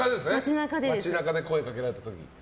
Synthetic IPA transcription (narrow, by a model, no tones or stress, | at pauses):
ad̪esɨnmeat͡ɕinakad̪eat͡ɕinakad̪e̞ko̞ekake̞ɾaɾe̞t̪at̪okʲḭ